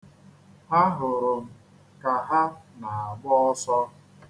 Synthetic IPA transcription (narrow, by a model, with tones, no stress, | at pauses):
a˦ɦʊ˨ɾʊ˨m̩˨ | ka˨ɦa˦na˨a˨ɡ͡bɔ˦ɔ˦sɔ˦